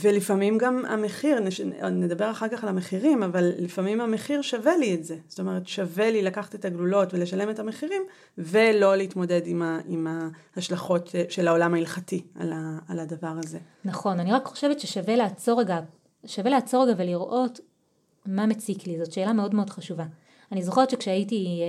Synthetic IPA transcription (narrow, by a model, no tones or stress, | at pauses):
velifamimɡama̰meχiʁneʃned̪abe̞ʁaχaʁkaχalameχiʁimavalːifamimame̞χiʁʃave̞lietzezo̥t̪o̞meʁetʃavelilakaχḁt̪et̪aɡlulo̞tvele̞ʃale̞me̞tameχiʁim | velo̞leit̪mo̞dedimaʔimahaʃlaχo̞teʃelao̞lamailχatia̰laːladavaʁaze̞ | nɐχo̞naniʁakχo̞̥ʃe̞vetʃeʃaveleːt͡so̞ʁeɡa | ʃave̞leat͡so̞ʁeɡaveliʁʔo̞t | mamet͡siklizotʃe̞ːlameo̞dme̞o̞dχaʃuva | anizoχeʁet̪ʃekʃeajiti